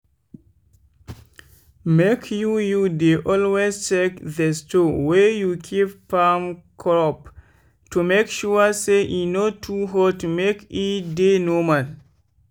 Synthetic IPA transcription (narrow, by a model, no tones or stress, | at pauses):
mekʰjujudeʔɔlwest͡ʃekðɛstowɛjukʰipfamkʰɹɔp | tumekʃuəseʔinotʰuɦɔtumekidenɔmal